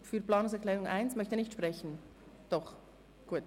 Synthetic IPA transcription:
fyːɐplɑːnʊŋsɛɐklɛːɾʊŋʔaɪnsmœçtənɪçtʃpʁ̥ɛçn̩ | d̥ɔχ | ɡ̥uːət

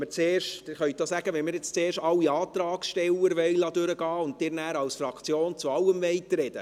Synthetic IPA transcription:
mɪt͡seːrʃtd̥ɪχœʏtd̥̪osæɡ̥əʋɛnmɪɾjɛt͡st͡seːɾʃtɑlːiɑːt̪ɾɑːksʃtɛlːəɾʋɛɪlɑdøɾəɡɑːʊnt̚d̥ɪːɾnæːɾɑlsfɾɑkt͡sjoːnt͡suɑlːəmvɛjtɾɛd̥ə

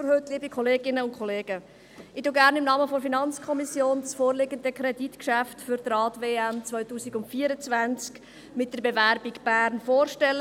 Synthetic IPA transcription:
ɦøtliːbikʰɔleːɡɪnəʊntkʰɔleːɡ̥ə | ɪtoɡæɾnɪmnɑːməfɔfinɑnt͡skʰɔmisjoːnt͡sfoːɾlɪɡənd̪əkɾɛditkʃæftfʏɾt̪rɑːtʋeːæmt͡sʋœʏtuːsiɡʊntfiːəɾət͡svænt͡sk | mɪt̚d̥əɾbevæɾbikb̥æːɾnfoːrʃtɛlːə

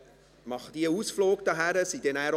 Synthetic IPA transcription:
mɑχəd̥̪iəuːsfloːk̚d̥̪ɑɦæɾəsid̥ɛnæːɾ

